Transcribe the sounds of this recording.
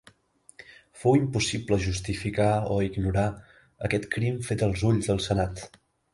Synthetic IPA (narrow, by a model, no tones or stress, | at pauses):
fowimpusipləʒust̪ifikaoiɡnuɾa | ə̰kɛt̪kɾimfet̪əlˠzuʎzðəlˠsənat̪